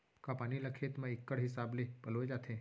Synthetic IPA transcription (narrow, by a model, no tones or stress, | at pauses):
kapaniləkʰet̪mə̃ikːəɽɦisablepəloed͡ʒat̪ʰe